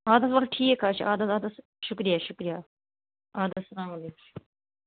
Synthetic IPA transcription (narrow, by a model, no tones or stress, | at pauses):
aːd̪ɐsʋɐɾʈʰiːekaːt͡ʃʰiʔaːd̪ɐt̪aːd̪ɐs | ʃʊkɾijaʃʊkɾija | aːd̪ɐsɐlaːmɐleːkʰ